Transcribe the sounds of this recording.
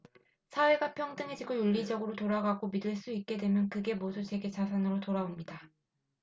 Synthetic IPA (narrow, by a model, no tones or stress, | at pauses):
sʰawe̞ɡapʰjʌŋdɯŋed͡ʑiɡojuʎːid͡ʑʌɡɯɾotoɾaɡaɡomidɯɭs͈uik̚k͈e̞dwe̞mjʌnkɯɡe̞modut͡ɕʰe̞ɡe̞t͡ɕasʰanɯɾotoɾaomɲida